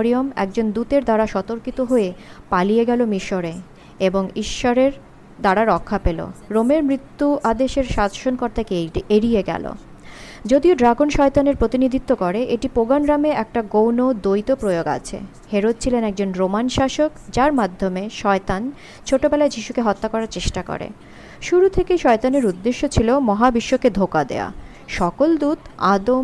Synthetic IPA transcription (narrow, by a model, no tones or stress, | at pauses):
ɾiomɛ̰k̚d͡ʑond̪ut̪eɾd̪aɾaʃɔt̪oɾkit̪oɦoepalijeɡɛlomiʃoɾe | eboŋiʃːoɾeɾ | d̪aɽaɾɔkʰːapelo̰ɾomeɾmɾit̪ːuʔad̪eʃeɾʃad̪ʱʃonkɔɾt̪akeeɾijeɡɛ̰lo̰ | d͡ʑod̪ioɖɾaɡonʃɔet̪aneɾpɾot̪inid̪ʱit̪ːokɔɾeʔeʈipoɡanɾameɛk̚ʈaɡownod̪ojt̪opɾojoɡa̰t͡ɕʰḛ | heɾod̪̚t͡ɕʰilenɛk̚d͡ʑonɾomanʃaʃokd͡ʑaɾmad̪ʱːomeʃɔet̪an | t͡ɕʰoʈobelaed͡ʑiʃukeɦɔt̪ːakɔɾaɾt͡ɕeʃʈako̰ɾḛ | ʃuɾut̪ʰekejʃɔet̪aneɾud̪ːeʃːot͡ɕʰilomɔɦabiʃːoked̪ʱokad̪ḛa̰ | ʃɔkold̪ut̪ad̪o